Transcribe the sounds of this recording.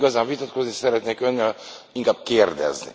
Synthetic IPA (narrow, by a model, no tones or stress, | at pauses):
ɡɒzaːɱvit̪ɒt̪koznisɛɾɛt̪neːkønːɛl | iŋkaːb̚keːrd̪ɛ̰znḭ